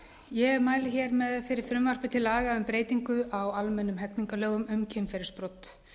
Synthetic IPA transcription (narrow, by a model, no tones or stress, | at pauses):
jɛɛɾmaːjlɪçɛɾmɛðfɪɾɪɾ̥fɾʏmvar̥pɪt̪ʰɪlaːɣaʏmpɾeːjt̪iŋkʏawalmɛnːʏmɦɛt̪niŋkalœːɣʏmʏmcʰemfɛɾɪɾspɾowt̪